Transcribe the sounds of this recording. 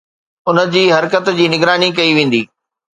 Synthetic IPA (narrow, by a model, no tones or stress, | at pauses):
ʊnə̆d͡ʑiːɦɐɾkət̪d͡ʑiːnɪɡɾaːnikɐiʋẽːn̆d̪iː